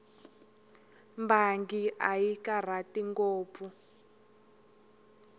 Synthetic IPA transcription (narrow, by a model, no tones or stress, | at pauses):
mbaŋɡiʔajikar̤atiŋkoːpfu